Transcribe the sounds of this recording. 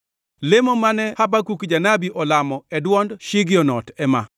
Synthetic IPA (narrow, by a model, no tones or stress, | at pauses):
lemɔmanɛhabakukd͡ʒanabiʔɔlamɔɛdwɔndʃɪɡjɔnɔtɛma̰